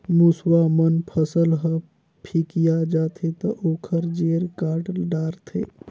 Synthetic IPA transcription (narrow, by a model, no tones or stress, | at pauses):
muswamənpʰəsəlɦə | pʰikijad͡ʒat̪ʰet̪əʔokʰəɾd͡ʒeɾkaɾʈɖaɾt̪ʰḛ